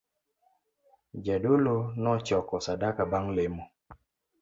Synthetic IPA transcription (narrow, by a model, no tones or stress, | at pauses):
d͡ʒadolonɔt͡ʃɔkɔsadakabaŋlemo